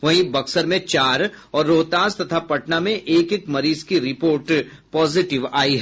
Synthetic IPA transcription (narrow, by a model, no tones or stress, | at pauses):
ʋɐɦĩbɐksəɾmẽt͡ʃaːɾɔːɾːoːt̪aːst̪ɐt̪ʰapɐʈnamẽʔeːkekmɐɾiːzkiɾɪpoːɾʈ | pɔːzɪʈɪʋaːiɦɛ